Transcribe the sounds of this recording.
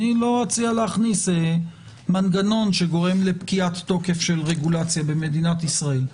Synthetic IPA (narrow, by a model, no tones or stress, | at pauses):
ilo̞ʁat͡sialeaχnise | manɡano̞nʃe̞ɡo̞ʁe̞mle̞pkiat̪ːo̞ke̞fʃe̞lʁeɡulat͡sjabe̞me̞d̪inat̪isʁael